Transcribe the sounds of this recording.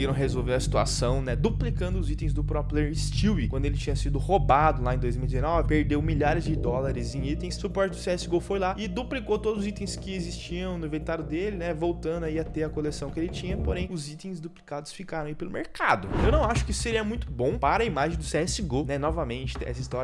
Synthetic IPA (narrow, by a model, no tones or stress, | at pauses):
iɾɐ̃w̃ɦezowveɾɐsi̥t̪ua̰sɐ̃w̃nɛd̪uplikɐ̃nd̪ʊzit̪ẽj̃zd̪ʊpɾɔpɾʊest͡ʃiwikwɐ̃d̪ʊelɪt͡ʃĩɲɐsid̪ʊhobad̪ʊlaẽj̃d̪ojzmiuwid͡ʒɪzẽnɔvɪpeɾd̪ewmiʎaɾɪzd͡ʒɪd̪ɔlaɾɪzẽj̃it̪ẽj̃ssupɔɾt͡ʃɪd̪ʊseɛsɪɡofojlaɪd̪uplikowt̪od̪ʊzʊzit̪ẽj̃skɪezist͡ʃiɐ̃w̃nʊvet̪aɾʊd̪elɪnɛvowt̪ɐ̃nd̪ʊaiat̪eɐkolesɐ̃w̃kelɪt͡ʃĩɲɐpoɾẽj̃ʊzit̪ẽj̃zd̪uplikad̪ʊsfikaɾɐ̃w̃aipelʊmḛɾkad̪ʊewnɐ̃w̃aʃʊ̥kɪisʊ̥seɾiɐmũj̃t̪ʊbõw̃paɾɐimaʒẽj̃d̪ʊseɛsɪɡonɛnɔvɐmẽnt͡ʃɪ̥ɛ̰sɐist̪ɔɾɐ